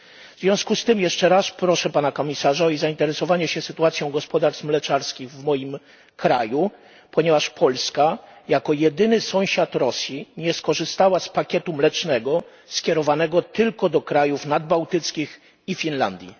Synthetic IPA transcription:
vzvʲjɔ̃w̃skust̪ɘmjɛʂt͡ʂɛɾaspɾɔʂɛpanakɔmʲisaʐaɔizaint̪ɛɾɛsɔvaɲɛɕɛsɘt̪uat̪sjɔ̃w̃ɡɔspɔd̪aɾsmlɛt͡ʂaɾskʲiɣvmɔjim | kɾaju | pɔɲɛvaʂpʰɔlskajakɔjɛd̪ɘnɘsɔ̃w̃ɕat̪ɾɔsʲjiɲɛskɔʐɘst̪awaspakʲɛt̪umlɛt͡ʂnɛɡɔ | skʲjɛɾɔvanɛɡɔt̪ɘlkɔd̪ɔkɾajufnad̪̚bawt̪ɘt̪skʲix | ifʲinla̰nd̪ʲjḭ

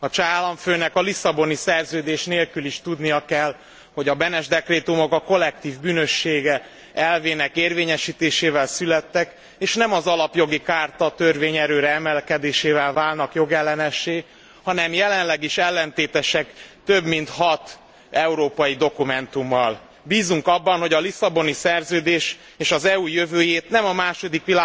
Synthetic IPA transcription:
ɒt͡ʃaːlɒɱføːnɛkɒlisɒbo̞nisɛrzøːd̪eːʃneːlkyliʃt̪ud̪nijɒkɛl | ho̞ɟɒbɛnɛʒd̪ɛkreːt̪umo̞kɒko̞lːɛk̚t̪iːvbyːnø̞ʃːeːɡɛ | ɛlveːnɛkeːrveːɲɛʃiːt̪eːʃeːvɛlsylɛt̪ːɛk | eːʃnɛmɒzɒlɒpjo̞ɡikaːrt̪ɒt̪ørveːɲɛɾøːɾɛɛmɛlkɛd̪eːʃeːvɛlvaːlnɒkjo̞ɡɛlːɛnɛʃːeː | hɒnɛmjɛlɛnlɛɡiʃɛlːɛnt̪eːt̪ɛʃɛkt̪ø̞bmint̪hɒt̪ | ɛuɾoːpɒjid̪o̞kumɛnt̪umːɒl | biːzuŋkɒbːɒnho̞ɟɒlisɒbo̞nisɛrzøːd̪eːʃ | eːʃɒzɛujøvøːjeːt̪nɛmɒmaːʃo̞d̪ikʋilaː

